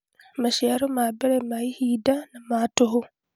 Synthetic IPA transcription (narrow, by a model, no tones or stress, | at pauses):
maʃaɾomabeɾemaihiːdanamaːtoɦo